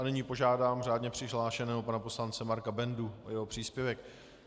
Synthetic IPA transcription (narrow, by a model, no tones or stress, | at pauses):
ʔanɪɲiːpo̞ʒaːdaːmr̝aːdɲɛpr̝̥ɪɦlaːʃɛnɛːopanapo̞slant͡sɛmaɾkabɛnduʔo̰jɛɦo̞pr̥iːspjɛvɛk